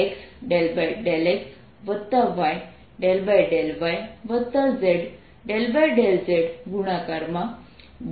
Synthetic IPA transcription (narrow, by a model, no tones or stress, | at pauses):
ksɖelbajɖeleks | ʋət̪ːaʋaj | ɖelbajɖelʋajʋət̪ːad͡zeɽ | ɖelbajɖeld͡zeɽɡʱuɽ̃akaɾma